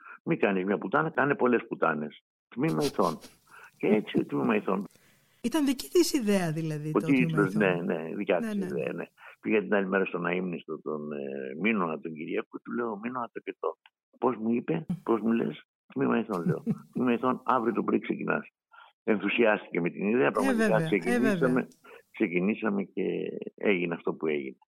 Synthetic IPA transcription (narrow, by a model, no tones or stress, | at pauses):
mikɐnizmɲɐput̪ɐnɐkɐne̞po̞le̞sput̪ɐ̰ne̞s | t̪mimɐiθo̞n | ceet͡siot̪mimɐiθo̞n | it̪ɐnðici̥θisiðeɐðilɐðiot̪iiosne̞ne̞̰ðicɐt̪isiðḛɐ̰ne̞̰piɣeɐt̪inɐlime̞ɾɐst̪o̞nɐimnist̪ot̪o̰nminot̪oɲɟiɾiɐkut̪ule̞ominoɐpt̪ocet̪o | po̞zmuipe̞po̞zmulḛs | t̪mimɐiθonðeo̰t̪mimɐjθonɐvɾiot̪o̞pɾiksecinɐ̰s | e̞nθusiɐst̪ice̞met̪iniðeɐpɾɐɣmɐtikɐksekinisɐme̞kse̞cinisɐme̞ce̞̰ḛʝineɐft̪o̞pue̞̰ʝḭne